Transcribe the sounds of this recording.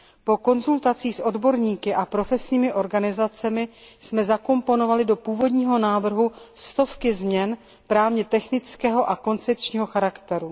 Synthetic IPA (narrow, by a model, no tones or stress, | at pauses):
po̞ko̞nzult̪at͡siːsʔo̞dbo̞ɾɲiːkɪʔapɾo̞fɛsɲiːmɪʔo̞ɾɡanɪzat͡sɛmɪsmɛzako̞mpo̞no̞valɪdo̞puːvo̞dɲiːɦo̞naːvr̩ɦust̪o̞fkɪzmɲɛn | pɾaːvɲɛt̪ɛxnɪt͡skɛːɦo̞ʔako̞nt͡sɛpt͡ʃɲiːɦo̞xaɾakt̪ɛɾu